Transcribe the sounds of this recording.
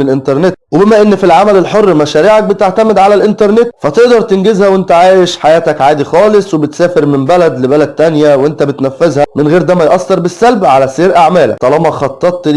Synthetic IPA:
elʔent̪ɑɾˤnet̪̚webemæʔenːfilʕamælelħorːmæʃæːɾiːʕak̚bet̪eʕt̪æmed̪ʕalælʔent̪ɑɾˤnet̪fæt̪eʔd̪ɑɾˤt̪enɡezhæwent̪æʕaːjeʃħajæːt̪ækʕaːd̪ixɑːlesˤwebet̪sæːfeɾmembælæd̪lebælæd̪̚t̪ænjæwʔent̪æbet̪næfːezhæmenɣeːɾd̪æːmæjʔɑsːɑɾˤbesːælbʕalæseːɾʔaʕmæːlæ̰t̪ɑlɑmɑxɑt̪ˤːɑt̪ˤːl

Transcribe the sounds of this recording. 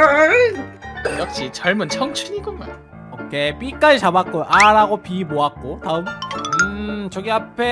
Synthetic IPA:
jʌk̚ɕ͈it͡ɕʌɭmɯnt͡ɕʰʌŋt͡ɕʰuɲiɡoma̰n | okʰep͈ik͈ad͡ʑit͡ɕabak̚k͈oʔaɾaɡopimoak̚k͈otaɯmɯt͡ɕʌɡiapʰe̞

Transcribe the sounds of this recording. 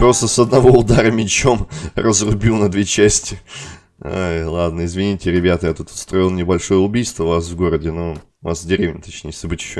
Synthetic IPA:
pɾo̞st̪əsɐd̪nɐvo̞ʊd̪aɾəmʲɪt͡ɕo̞mrəzrʊbʲilˠnɐd̪vʲet͡ɕæsʲtʲɪ | o̰jlˠad̪̚nəɪzvʲɪnʲitʲɪɾʲɪbʲat̪əjat̪ut̪ɐ̥st̪ɾo̞ilˠnʲɪbɐlʲʂo̞jəʊbʲijst̪vəvasvɡo̞ɾədʲɪno | vasvdʲɪɾʲevnʲɪt̪ɐt͡ɕnʲejɪsʲəbɨtʲɪɕːo

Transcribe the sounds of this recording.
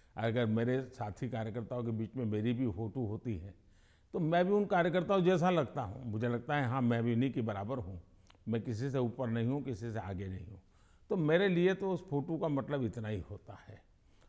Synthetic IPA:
ɐɐɡəɾmeːɾesaːt̪ʰikaːɾjəkəɾt̪aɦõk̬ebiːt͡ʃmẽmeːɾibʱifoːʈoɦoːt̪iɦɛː | t̪omɛ̃ːbʱiʊnkaːɾjək̬əɾt̪aɦũd͡ʒɛːs̬alɐɡt̪aɦṵ̃mʊd͡ʒʱelɐɡ̚t̪aɦɛɦãmɛ̃bʱiʊnikebɐɾaːbəɾɦũ | mɛ̃kɪs̬iseuːpəɾnɐɦĩɦũkɪsisea̰ːɡenɐɦḭ̃ɦũː | t̪omeːɾeliet̪oʊsfoːʈokamɐt̪ləbɪt̪naɦihoːt̪ahɛː

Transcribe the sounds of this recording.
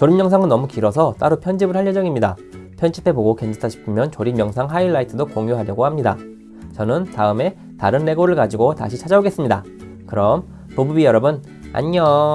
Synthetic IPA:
t͡ɕoɾimjʌŋsʰaŋɯnːʌmukiɾʌsʰʌt͈aɾupʰjʌnd͡ʑibɯɭhaʎːʌd͡ʑʌŋimɲida | pʰjʌnt͡ɕʰi̥pʰe̞boɡoke̞nd͡ʑʰitʰaɕʰi̥pʰɯmjʌnt͡ɕoɾimjʌŋsʰaŋɦaiɭːaitʰɯdokoŋjuɦaɾjʌɡohamɲida̰ | t͡ɕʌnɯntaɯme̞ | taɾɯnːe̞ɡoɾɯɭkad͡ʑiɡota̰ɕʰit͡ɕʰad͡ʑaoɡe̞s͈ɯmɲida̰ | kɯɾʌm | pobubijʌɾʌbɯn | a̰ɲʌ

